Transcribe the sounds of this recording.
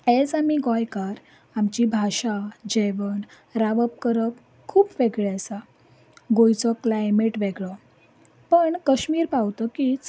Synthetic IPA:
ɛd͡zamiɡɔjkaɾ | amt͡ɕibʱaɕad͡ʑeʋəɳ | ɾaʋəp̚kəɾəp | kʰuːpʋeɡɭasa | ɡojt͡sɔklajmeʈʋeɡɭɔ | pəɳkəɕmiːɾpawt̪ɔkit͡s

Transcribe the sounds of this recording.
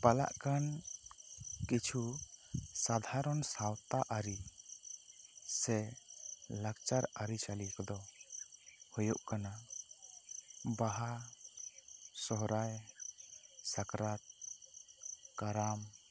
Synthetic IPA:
pala̰ʔkan | kit͡ʃʰu | sad̪ʱaɾɔnsawt̪aʔaɾi | sɛ | laɡt͡ʃaɾaɾit͡ʃalikɔd̪ɔ | hujuʔkana | baɦa | sɔɦɾaj | sakɾat̪̚ | kaɾam

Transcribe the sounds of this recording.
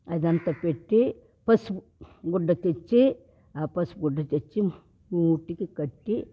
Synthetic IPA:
ɐd̪ɐnt̪ɐpeʈːi | pɐs | ɡuɖːɐt̪et͡ʃːi | apɐsɡuɖːɐt̪et͡ʃːi | muːʈikikɐʈːi

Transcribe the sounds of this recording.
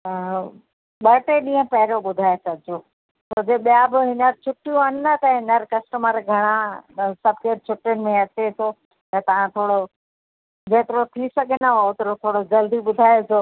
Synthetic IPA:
ɓɐɾʈeɗĩːə̃pɐɦɪɾoɓʊd̪ʱaːesɐɡʱɪd͡ʑo | t̪od͡ʑeɓijabɪɦɪnəɾt͡ɕʰʊʈːijũɦɐñɪnɐt̪ɐɦɪnəɾkɐsʈəməɾɡʱɐɽ̃ãsɐbʱkeːɾt͡ɕʰʊʈːjʊnɪ̆mẽɐt͡ɕet̪ʰo | t̪ɐt̪ɐʋ̤ãt̪ʰoːɽo | beːt̪ɪɾot̪ʰisɐɡʱnəɦoʊt̪ɾot̪ʰoːɽod͡ʑɐld̪iɓʊd̪ʱaːjet̪ʰoː

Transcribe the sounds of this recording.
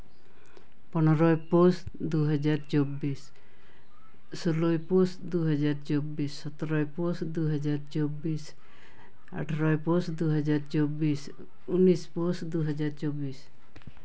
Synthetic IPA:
pɔnɔɾɔjpos | d̪uɦɔd͡ʒaɾt͡ʃobis | solojposd̪uɦɔd͡ʒaɾt͡ʃobisːɔt̪ɔɾɔjposd̪uɦɔd͡ʒaɾt͡ʃobis | a̰ʈʰaɾɔjposd̪uɦɔd͡ʒaɾt͡ʃobis | unisposd̪uɦɔd͡ʒaɾt͡ʃobis

